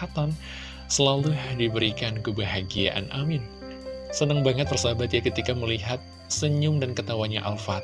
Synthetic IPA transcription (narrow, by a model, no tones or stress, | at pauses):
at̪an | səlaludibəɾikankəbaɦaɡia̰ʔa̰nʔamɪn | sənəŋbaŋət̪̚pərsaɦabat̪jakət̪ikaməliɦat̪̚ | səɲʊmdankət̪awaɲaʔalfat̪̚